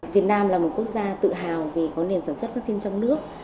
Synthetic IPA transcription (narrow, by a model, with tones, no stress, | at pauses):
vi˨˩ət̚naː˧mlaː˨˩mo˨˩t̚ku˦˥ək̚zaː˧t̪ɨ̰˧˨ɦaː˨˩wve˨˩kɔ˨˦ne˨˩msaː˧˩swə˦˥t̚faː˦˥k̚si˧nt͡ɕɔ˧wŋ͡mnɨ˦˥ək̚